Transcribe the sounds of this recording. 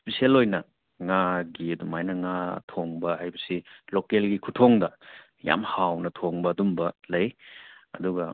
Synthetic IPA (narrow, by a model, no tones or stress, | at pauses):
spisielojnɐ | ŋaɡiɐdumajnɐŋatʰoŋbɐhajbɐsilokelɡikʰutʰoŋdɐ | ja̰mhawnɐtʰoŋbɐːdumbɐlɐjɐ̰duɡɐ